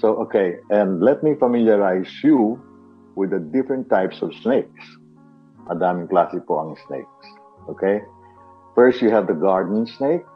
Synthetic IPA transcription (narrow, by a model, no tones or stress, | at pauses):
soʊʔokeɪʔɛ̃nd̪lɛt̪̚mifɐmiljaɹaɪsju | wɪd̪ɐd̪ɪfɹɛ̃nt̪ːajpsɔv̥sneɪk̚s | ʔɐd̪amɪŋklasɪpoɐ̰̃ŋsnḛɪk̚s | ʔokʰeɪ | fɛɹst̪juɦɛvd̪əɡaɹd̪nnsneɪk̚